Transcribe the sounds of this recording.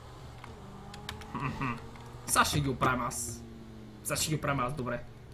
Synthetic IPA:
xm̩ | saʃɛɡʲiupɾaɛmas | saʃɛɡʲiupɾavʲmazd̪ɔbɾɛ

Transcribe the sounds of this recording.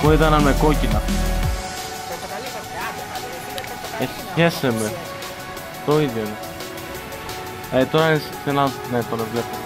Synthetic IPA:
koit̪ɐnɐnme̞ko̞cinɐ | e | çe̞seme | t̪oiðʝone | et̪oɾassenanet̪onevlepo

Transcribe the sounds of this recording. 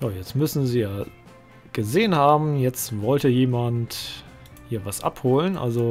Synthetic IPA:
jaːjɛt͡stmʏsn̩ziːjaː | ɡ̥əzeːənhaːbm̩jɛt͡stvɔltəjeːmant | hiːɐvasʔa̰phoːlənʔa̰lzo

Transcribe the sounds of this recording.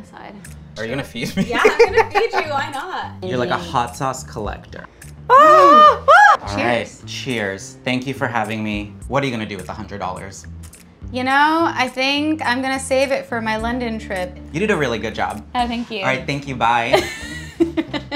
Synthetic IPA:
sa̰ɪd̥ | ə˞jɨɡʌnɨfidmijɪ̃ɡʌnfd͡ʒɨwaɪnət̚jə˞laɪkəhɑtsɔskʰəlɛ̰ktə̰˞ | o | t͡ʃʰɪaɪt̚t͡ʃʰɪɹz̥θæ̃ŋkjɨfə˞ɦævɪ̃ŋmiwʌɾə˞jɨɡʌñɨdɨwɨðəhʌ̃ndɹɨdɔ̰lˠə̰˞z̥ | jɨnoʊaɪθɪ̃ŋkãɪ̃mɡʌñɨseɪvɪtfə˞maɪlʌ̃ndɨ̃ntʰɹ̥ɪp̚ɨɾɨɾɨɹɪlˠiɡʊd̚d͡ʒɑ̰b̥̚oʊθæ̃ŋkjʉɹaɪt̪̚θæ̃ŋkjɨbaɪ

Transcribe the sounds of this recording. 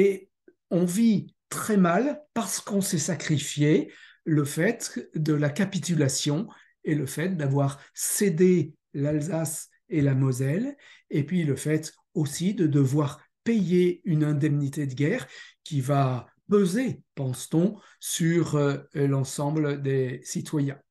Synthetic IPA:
e | ɔ̃vit̪χɛmalpaʁsə̥kɔ̃sɛsakχifje | ləfɛt̪d̪əlakapit̪ylasjɔ̃ | eləfɛt̪̚d̪avwaʁsed̪e | lalzas | elamɔzɛlepɥiləfɛt̪ | osid̪əd̪əvwaʁ | pejeynɛ̃d̪ɛmnit̪ed̪əɡʲɛʁkʲiva | pøzepɑ̃st̪ɔ̃ | syʁlɑ̃sɑ̃bld̪esit̪ʰwajɛ̃

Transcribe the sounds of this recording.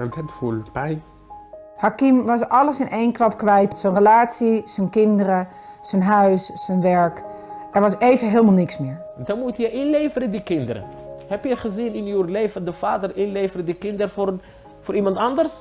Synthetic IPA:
ɛnthɛtfulpɛj | hakimʋɔsɔləsɪnʔeːnkrɔpkʋɛjtsənrəlaːsisənkɪndəɾə | sənɦœɥssənʋɛɹk | ɛɹʋɔseːvəɦeːlˠmalˠnɪksmɪɹ | ɛndɔnmutjəʔɪnleːfəɾədikɪndəɾə̰hɛpjəχəzinɪnjuleːvəndəfaːdərɪnleːvəɾədikɪndəɾəfor | foːɾʔimɑntɑndərs

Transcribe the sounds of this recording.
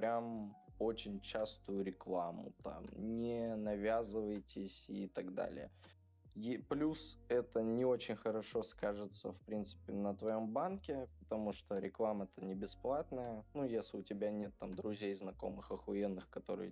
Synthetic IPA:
pɾʲamo̞t͡ɕɪnʲt͡ɕast̪ʊjʊɾʲɪklˠamʊ̰t̪a̰mnʲɪnɐvʲazɨvəjtʲɪsʲit̪aɡd̪a̰lʲɪ̰jə̰ | jplʲusɛt̪ənʲɪo̞t͡ɕɪnʲxəɾɐʂo̞skaʐɨt̪səfpɾʲint̪sɨ̥pʲɪnət̪vɐjo̞mbankʲɪpə̥t̪ɐmuʂt̪oɾʲɪklˠaməɛt̪ənʲɪbʲɪsplˠat̪nəjənujesʲlʲɪʊtʲɪbʲanʲe̞t̪ːamd̪ɾʊzʲejznɐko̞̰mɨxɐxɐenːɨxkɐt̪o̞̰ɾɨ̰

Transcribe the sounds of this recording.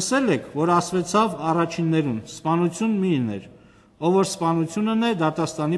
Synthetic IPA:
əsɛlɛkʰvɔɾɑsvɛt͡sʰɑvɑrɑt͡ʃʰinːɛɾunspɑnut͡sʰjunminɛ̰ɾ | ɔvɔɾspɑnut͡sʰjunənɛd̪ɑt̪ɑst̪ɑni

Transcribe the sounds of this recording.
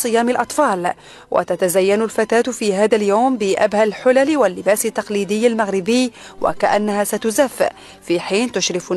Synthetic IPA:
sˤɨjaːmɪlʔɑt̪ˤfɑːl | wʔa̰t̪at̪azajːanʊlfat̪aːt̪fiːhaːðaljawmbɪʔa̰bhalħʊlalwalːɪbaːsɪt̪ːɑqliːd̪ɪjːalmaɣɾɪbɪjː | wa̰kaʔanːahaːsat̪ʊzafʔ | fiːħiːnt̪ʊʃɾɪf

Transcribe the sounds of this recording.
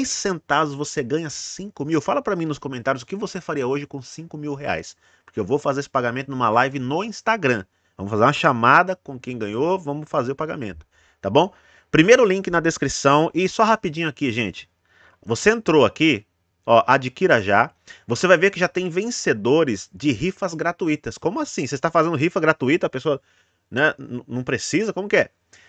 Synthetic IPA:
ejsːẽnt̪ad̪ʊzvoseɡɐ̃ɲɐsĩkʊmiwfalɐpɾɐmĩnʊskõmẽnt̪aɾjʊzʊkɪvosefaɾiɐoʒɪkõw̃sĩŋkʊmiwɦea̰js | poɾkeewvowfazeɾesɪ̥paɡamẽnt̪ʊnũmɐlajvɪnoĩst̪aɡɾɐ̃ | vɐ̃mʊfazeɾũmɐʃamad̪ɐkõkẽj̃ɡɐ̃ɲovɐ̃mʊfazeɾʊpaɡamḛ̃nt̪ʊ̥ | t̪abõw̃ | pɾimejɾʊlĩkɪnɐd̪eskɾisɐ̃w̃ʔɪsɔɦapid͡ʒĩɲʊakiʒẽt͡ʃɪ̥ | voseẽnt̪ɾoaki | ɔʔad͡ʒikiɾɐʒa | vosevajveɾkɪʒat̪ẽj̃vẽsed̪oɾɪzd͡ʒɪɦifɐzɡɾat̪uit̪ɐskõmʊasĩsest̪afazẽnd̪ʊɦifɐɡɾat̪uit̪ɐpesoɐ | nɛnɐ̃nɐ̃w̃pɾesizɐkõmʊkɪɛ

